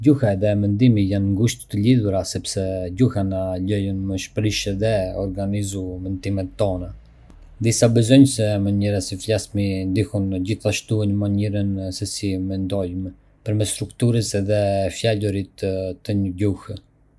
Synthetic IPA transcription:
ɟuhaɛðɛmɛnd̪imijanŋɡuʃt̪t̪əliðuɾasɛpsɛɟuhanalɔjunməʃpɾiʃɛðɛɔɾɡanizumɛnd̪imɛt̪ːɔna | d̪isabɛzɔɲsɛməɲɛɾasiflasmind̪ihunɟiθaʃt̪uɛnmaɲɛɾənsɛsimɛnd̪ɔjmɛ | pəɾmɛst̪ɾukt̪uɾəsɛðɛfjaluɾit̪t̪ːəɲəɟuh

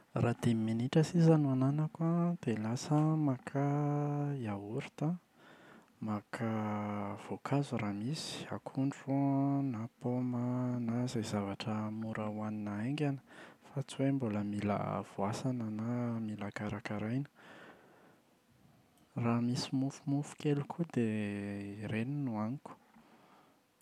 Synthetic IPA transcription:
rad̪eminiʈ͡ʂəsizanuananəkwad̪̥elasəmakʰa | jauɾi̥t̪a | makʰav̥okʰazuɾamisi̥a̰kʰuɳɖ͡ʐunapomənazajzavaʈ͡ʂəmuɾawaninaeŋɡʲanə̥fat͡suemboləmilə̰v̥oasanənamilakaɾakaɾajnə̥ | ramisimufumufu̥kʲelukʰud̪e | ɾeninuaniku̥

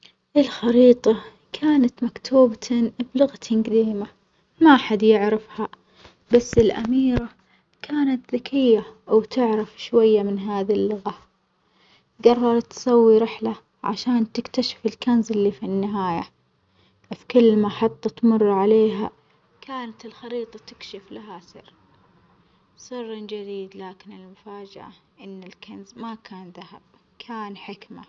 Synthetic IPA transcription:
ʔɪlxɑɾiːt̪ˤɑ | kʰaːnat̪makt̪ʰuːbt̪ʰblʊɣt̪ʰnɡd̪iːma | maʔaħad̪jɪʕɾɪfha | basːɪlʔa̰miːɾa | kʰaːnat̪ðakʰɪjːawt̪ɪʕɾɪfʃwajːamɪnɦaːðilːʊɣa | ɡɑrˤːɑɾˤɑt̪ːsawːiɾɪħla | ʕa̰ʃaːnt̪ɪkt̪aʃɪ̥fɪlkanzɪlːifinːɪɦaːja | fi̥kʊlːmaħɑt̪ˤːɑt̪mʊrˤːʕaleːɦa̰ | kʰaːnat̪ɪlxɑɾiːt̪ˤɑt̪ɪkʃɪflaɦasɨ̰ɾ | sˤɨrˤːnd͡ʒad̪iːd̪laːkɪnɪlmʊfaːd͡ʒa̰ʔa̰ʔɪnːɪlkanzmakʰaːnðahab̥̚ | kʰaːnħɪkma̰

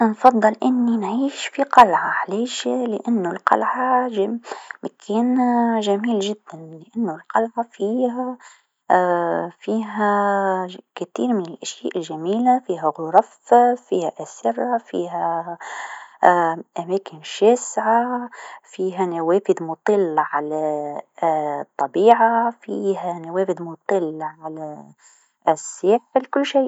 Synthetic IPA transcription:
nfɑðˤːɨlʔɪnːinʕiːʃfiqɑlʕɑʕliːʃlɪʔanːʊlqɑ̰lʕaʒmækʰɛːnʒæmiːlʒɪd̪ːænlɪʔanːʊlqɑlʕafiːhæ | fiːɦæ | kæt̪ḭːɾmɪnɪlʔæʃjæːʔɪlʒæmiːlafiːɦæɣʊɾˤɑffiːhæʔæsɪɾˤːafḭːɦæ | ʔæmæːkɪnʃæːsʕafiːɦænawæːfɪd̪mʊt̪ˤɨlːʕalæ | t̪ˤːɑbiːʕafiːhænawæːfɪd̪mʊt̪ˤɨlʕalæ | sːɪːħɪlkʊlːʃeːʔ

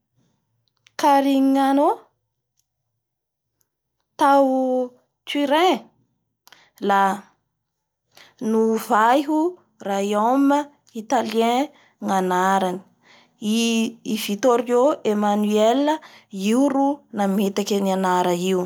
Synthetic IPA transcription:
kaɾiŋiano | t̪aw | tiɾẽ | la | nuvajɦu | raiawmə | it̪aliẽ | ŋanaɾani̥ | iivit̪oɾioʔemanyeləiuɾunamet̪akʲənianaɾəiu

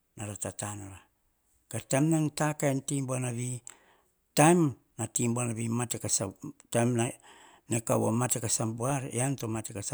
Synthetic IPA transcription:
naɾatatanoɾa | ɡ̥atajmnantakaentimbuanaβi | tajm | natimbuanaβimatekasatajmna | neka̰βo̰matekasambuaɾeantomatekas

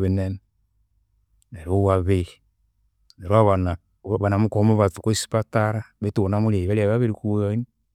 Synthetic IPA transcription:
βenenɛ | neɾowaβe | neɾwaβana | βanamukomoβatu̥koisi̥pataɾaβetonamuɾieiβeɾiaβaβeɾikujoini

